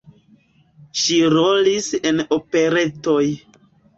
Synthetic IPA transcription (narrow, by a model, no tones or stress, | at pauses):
ʃiɾolise̞nope̞ɾe̞to̞j